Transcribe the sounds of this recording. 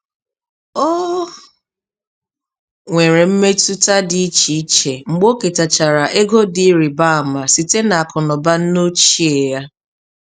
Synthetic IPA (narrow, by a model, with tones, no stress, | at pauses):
ɔ˦ | ŋʷe˨ɾe˨m̩˦me˦tu˦ta˦di˨i˦t͡ʃi˨˦t͡ʃe˨ŋ͡m̩˨ɡ͡bo˦ke˨ta˨t͡ʃa˨ɾa˨ʔe˦ɡo˦di˦ɾi˨ba˦a˨ma˨si˨te˦na˨a˨kʊ˨nɔ˨ba˦n̩˦no˦t͡ʃi˦e˨ja˦